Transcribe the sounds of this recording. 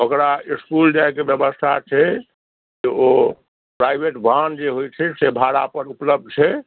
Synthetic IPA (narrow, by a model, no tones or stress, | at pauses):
okɾaiskulɖajkebjəbəst̪ʰat͡ʃʰɛ | d͡ʒeo | pɾaibʱeʈbʱand͡ʒeɦojt͡ʃʰɛsebʱaɾapəɾupləb̚d̪̚ʱt͡ʃʰɛ